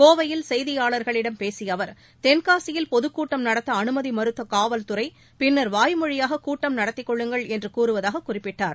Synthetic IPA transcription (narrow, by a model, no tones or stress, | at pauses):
koːʋɐjɪlsɛjðɪjaːɭɐɾɣɐɭɪɽɐmpeːsɪjɐʋɐɾ | t̪ɛnkaːsɪjɪlpɔðɯkːuːʈːɐmnɐɽɐt̪ːɐːnɯmɐðimɐɾɯt̪ːɐkaːʋɐlt̪ʊrɐɪ | pɪnːɐɾʋaːjmɔɻɪjaːɣɐkuːʈːɐmnɐɽɐt̪ːɪkːɔɭːɯŋɡɐɭɛndrɯkuːrɯʋɐðaːɣɐkːʊrɪpːɪʈːaːɾ